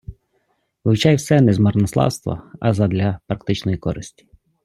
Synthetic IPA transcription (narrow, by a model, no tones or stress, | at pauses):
ʋɪwt͡ʃɑjwsɛnɛzmɐrnɔslˠɑ̰wst̪ʋɐ̰ɐ̰zɐd̪lʲɐpɾɐkt̪ɪt͡ʃnɔjikɔɾɪsʲtʲi̥